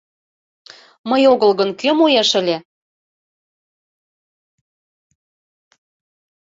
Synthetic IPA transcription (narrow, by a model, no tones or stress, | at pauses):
məjoɣəlɣənkømujeʃə̆lʲe